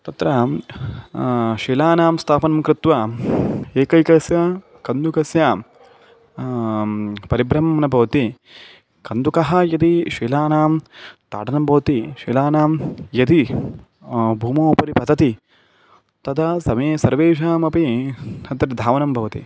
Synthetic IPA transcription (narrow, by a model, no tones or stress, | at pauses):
t̪ɐt̪ɾɐ | ʃiːlaːnaːmst̪ʰaːpɐnɐmkɾɪt̪ʋɐ | eːkɐjkɐsjɐ | kɐnd̪ukɐsja | pɐɾibɾɐmɐɐnɐbʱɐʋɐt̪i | kɐnd̪ukɐɦɐjɐd̪iʃiːlaːnaːmt̪a̰ːʈɐnɐmbʱɐʋɐt̪iʃiːlaːnaːmjɐd̪i | bʱuːmoːpɐɾipɐd̪ɐt̪i | t̪ɐd̪ɐsɐmeːsɐɾʋeːʃ̬aːmɐpihɐt̪ːɐt̪d̪ʱaːʋɐnɐmbʱɐʋɐt̪ḭ